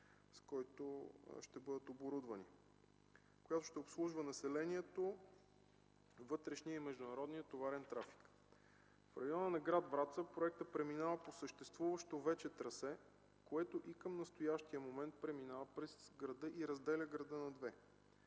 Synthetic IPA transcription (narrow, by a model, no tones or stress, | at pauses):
skɔjt̪oʃt̪ɛbɤd̪ət̪oboɾud̪vəni | kojat̪oʃt̪ɛopslˠuʒvənɐsɛlɛniɛt̪o | vɤt̪ɾɛʃnijəimɛʒd̪ʊnɐɾɔd̪nijət̪ovaɾɛnt̪ɾafi̥k | fɾɐjɔnənɐɡɾad̪bɾat̪səpɾoɛk̚t̪əpɾɛminavəposəʃt̪ɛst̪vuvəʃt̪ovɛt͡ʃɛt̪ɾɐsɛ | koɛt̪oʔikəmnɐst̪ojaʃt̪iəmomɛnt̪̚pɾɛminavəpɾɛsɡɾɐd̪ɤʔiɾɐzd̪ɛlʲəɡɾɐd̪ɤnɐd̪vɛ